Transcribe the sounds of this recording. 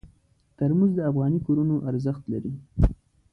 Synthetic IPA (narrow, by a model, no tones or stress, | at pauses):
t̪aɾmuzd̪əafɣɑnikoɾunoʔaɾzəxt̪laɾi